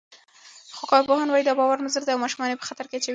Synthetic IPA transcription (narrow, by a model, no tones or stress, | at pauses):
xokɑɾpohɑnwɑjid̪ɑbɑwaɾmazəɾd̪eawmɑʃumɑnepə̥xat̪aɾket͡ʃa